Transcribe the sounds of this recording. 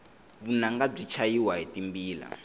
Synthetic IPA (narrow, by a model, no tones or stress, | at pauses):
βunaŋɡab͡ʐit͡ʃʰajiwaɦetimbiːla̰